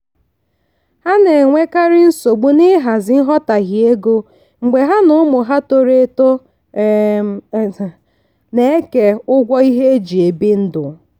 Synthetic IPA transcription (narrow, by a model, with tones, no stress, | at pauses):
ha˦ne˨ŋʷe˦ka˦ɾɪ˦n̩˦so˨ɡ͡bu˦nɪ˦ɦa˨zɪ˦ɦɔ˦ta˨ɣi˨e˦ɡo˦ | ŋ͡m̩˨ɡ͡be˨ɦa˦nʊ˦ʊ˦mʊ˨ɦa˦to˦ɾe˦to˦˨ | ne˨˦ke˨ʊ˦ɡʷɔ˦i˦ɦe˦e˦d͡ʒi˨e˨bi˦n̩˦dʊ˨